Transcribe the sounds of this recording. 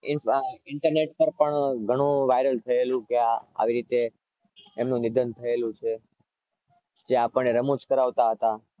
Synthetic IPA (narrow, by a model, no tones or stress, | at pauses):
ɪɪɳʈəɾneʈpəɾpəɳɡʱəɽ̃ũʋajɾəlt̪ʰəelũkeaa̰ʋiɾit̪eː | mnũnɪd̪ʱənt̪ʰəelũt͡ʃʰe | d͡ʒeapəɳneɾəmud͡ʒkəɾaʋt̪aɦət̪a